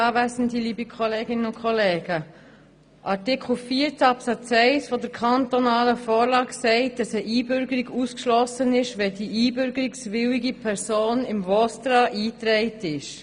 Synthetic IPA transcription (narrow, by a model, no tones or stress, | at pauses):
ɑːvæsəndiliːbikʰχɔleːɡɪnənʊnkʰχɔleːɡ̥ə | ʔɑɾtɪkʰl̩fiːəɾt͡sɑpsɑt͡sɛɪsfɔdəɾkʰχɑntɔnɑːləfɔːɾlɑːksɛɪt̚d̥ɑsəʔiːbʏɾɡəɾiɡuskʃlɔsənɪʃʋɛdiʔiːbʏɾɡəɾiksʋɪwiɡipʰɛɾsoːnɪmvɔst̪ɾɑʔiːtɾɛɪtɪʃ